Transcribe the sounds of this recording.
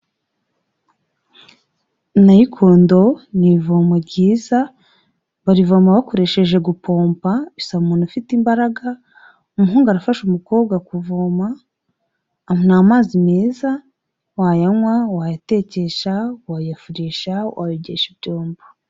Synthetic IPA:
najikʰoːndo̞nivomaɾɟiːza | βaɾivomaβakoɾe̞ʃe̞ʒe̞ɡupʰoːmpaβisaβumuːn̥ufitimbaɾaɡa | umuɦuːŋɡaɾafaʃumuko̞ːbɡakuvoma | munaːmaːzime̞ːza | wajamwawajate̞ceʃawajafuɾiːʃawʔa̰jiɟeʃibɟoːmbo̥

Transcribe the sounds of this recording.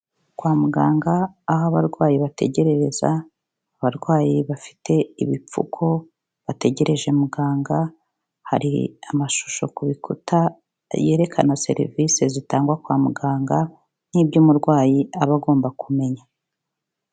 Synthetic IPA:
kwaːmuɡaːŋɡaːhaβaɾɡwaːjiβate̞̰ɟe̞ɾe̞ɾe̞za̰ː | βaɾɡwaːjiβafi̥te̞iβip͡fṵkʰo̞ | βate̞ɟe̞ɾe̞ʒe̞muɡaːŋɡa | ha̰ɾḭamaʃu̥ʃo̞̰kuβikutʰa | jeːɾe̞kʰanase̞̰ɾḭvisezitaːŋɡwakwaːmuɡaːŋɡa | nibɟuːmuɾɡwaːjiaβaɡo̞ːmbakume̞ɲa

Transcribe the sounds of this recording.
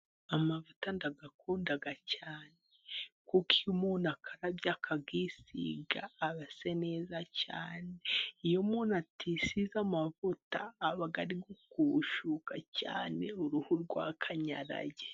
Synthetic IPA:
amavutandaɡakʰuːndaɡacaːnekukijumunakʰaɾabjakʰaɡisḭɡaːβasene̞ːzaca̰ːneijomuːnatisizamavutaːβaɡaɾiɡokuʃukaca̰ːneuɾuhuɾɡwakʰaɲa̰ɾa̰ɟe

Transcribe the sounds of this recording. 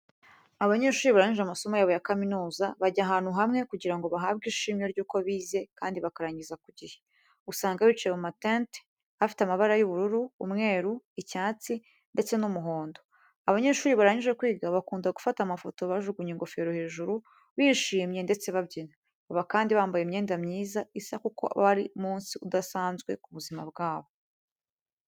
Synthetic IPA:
aβaɲe̞ːʃuːɾiβaɾaɲiʒamaso̞majaβojakaminuːzaβaɟaɦaːn̥huɦamŋe̞kuɟiɾaŋɡo̞βaɦaːβɡiːʃiːmɲo̞ɾɟuːko̞βiːze̞kaːndiβakaɾaɲizakuɟihe | usaːŋɡaβit͡ʃeβumatente | afi̥tamaβaɾajuβuɾuɾuːmŋe̞ːɾuicaːt͡si | nde̞t͡se̞numuɦo̞ːndo̞ | aβaɲe̞ːʃuːɾiβaɾaɲuʒe̞kwiːɡaβakuːndaɡufatamafo̞to̞βaʒuɡuɲiŋɡo̞fe̞ɾohe̞ːʒuɾu | βiːʃiːmɲe̞nde̞t͡se̞βabɟina | βaβakaːndiβaːmbajemɲe̞ːndamɲiːzaisakukʰo̞̰ʔβaβaɾimuːnsiudasaːnzɡwe̞̰kuβuzima̰b̚ɡaːβo̞

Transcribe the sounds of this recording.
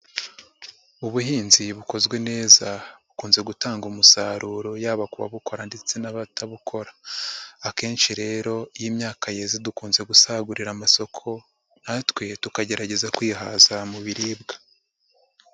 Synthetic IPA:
uβuɦiːnziβuko̞zɡwe̞ne̞ːzaβukuːnze̞ɡutaːŋɡumusaːɾuːɾo̞jaːβakuβa̰βuko̞ɾandet͡se̞naβataβukʰo̞ɾa | ake̞ːnʃiɾe̞ːɾo̞jiːmɲaːkʰaje̞zidukuːnze̞ɡusaːɡuɾiɾamaso̞kʰo̞ | natwe̞tukaɟe̞ɾaɟe̞zakwiːɦa̰ːzamuβiɾiːb̚ɡa

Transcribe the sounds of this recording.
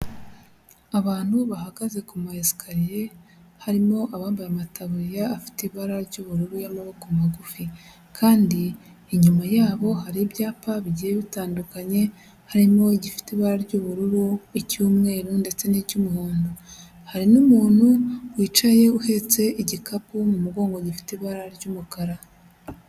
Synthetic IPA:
aβaːn̥huβahaɡaze̞kumaeskʰaɾije̞ | haɾimo̞ʔaβaːmbajamatʰaβuɾijaːfi̥tiβaɾaɾɟuːβuɾuɾujamaβokomaɡufi | kʰaːndiː | ɲumajaːβo̞haɾibjaːpaβiɟijeβitaːndukaɲe̞ | haɾimo̞iɟifi̥teβaɾaɾɟuːβuɾuɾuicuːmŋe̞ːɾunde̞t͡se̞niɟumuhuːndu | haɾinumuːn̥huwiːt͡ʃaje̞uhe̞t͡se̞ʔiɟikapumumuɡo̞ːŋɡoɟifi̥teβaɾaɾɟumukaɾa

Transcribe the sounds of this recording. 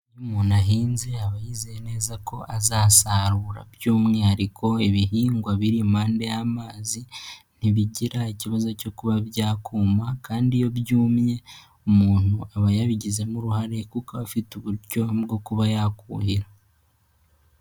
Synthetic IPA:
jumunaɦiːnzeaβajizejene̞ːzako̞ʔazaːsaɾuːɾa̰bjuːmŋe̞haɾikʰo̞iβiɦiːŋɡwaβiɾim̥aːnde̞jaːmaːzin̥iβiɟiɾaiciβazo̞co̞kuβaβjaːkuːmakaːndijo̞bjuːmɲe̞ | umuːn̥uaβajaβiɟize̞muɾuhaɾekukaβafituβuɾjo̞bɡo̞kuβajaːkṵːhiɾa

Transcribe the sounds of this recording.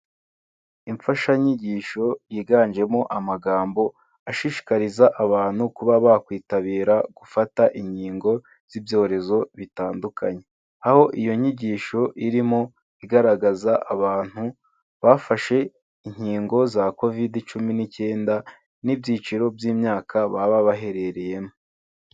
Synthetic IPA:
iɱfaʃaɲiɟiːʃo̞jiːɡaːnd͡ʒe̞mo̞ʔamaɡaːmbo̞ | aʃiʃi̥kaɾizaʔaβaːn̥hukuβaβakwiːtaβiːɾaɡ̥ufataʔiɲiːŋɡo̞ | z̥ivjo̞ːɾe̞zo̞βitaːndukʰaɲe̞ | aho̞ʔijo̞ɲiɟiːʃo̞ʔiɾimo̞ | iɡaɾaɡazaʔaβaːn̥hu | βafaʃe̞ | iɲ̥hiːŋɡo̞zako̞vidit͡ʃuminice̞ːnda | nibjiːt͡ʃiɾo̞bjiːmɲaːkʰaβaβaβaɦe̞ɾe̞ɾe̞je̞mo

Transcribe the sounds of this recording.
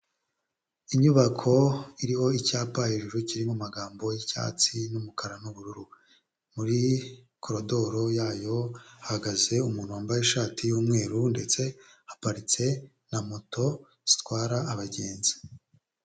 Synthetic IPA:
iɲuβakʰo̞iɾiho̞icaːpajiʒuʒuciɾimumaɡaːmbo̞jica̰ːt͡sinumukaɾanuβuɾuɾu | muɾi | kʰoɾo̞do̞ɾo̞jaːjo̞hahaɡaze̞umuːnhuwaːmbajeʃaːtʰijuːmŋe̞ːɾunde̞t͡se̞ | hapaɾit͡se̞ | namoto̞ | z̥i̥tkwaːɾaːβaɟe̞ːnzi̥

